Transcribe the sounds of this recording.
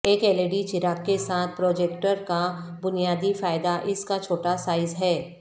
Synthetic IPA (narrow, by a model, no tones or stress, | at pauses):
eːkeleɖit͡ʃɪɾaːkːesaːt̪̚ʰpɾoːd͡ʒeːkʈəɾkabʊnijaːd̪ifaːɪd̪aʔɪskat͡ʃʰoːʈasaːɪzɦɛː